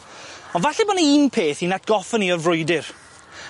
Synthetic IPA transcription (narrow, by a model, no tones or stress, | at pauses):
ɔnvaɬɛboːnəimpʰeːθinat̚ʰɡ̥ɔfəniɔrvrʊjdɪr